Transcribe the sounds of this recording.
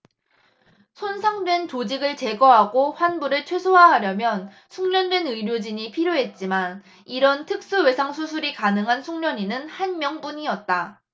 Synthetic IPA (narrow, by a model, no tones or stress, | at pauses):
sʰonsʰaŋdwe̞ntod͡ʑiɡɯɭt͡ɕe̞ɡʌɦaɡoɸwanbuɾɯɭt͡ɕʰwe̞sʰoɦaɦaɾjʌmjʌn | sʰuŋɲʌndwe̞nɯɾjod͡ʑiɲipʰiɾjoɦe̞t̚t͡ɕ͈iman | iɾʌntʰɯk̚s͈uwe̞sʰaŋsʰusʰuɾikanɯŋɦansʰuŋɲʌɲinɯnhanmjʌŋpuɲiʌt̚t͈a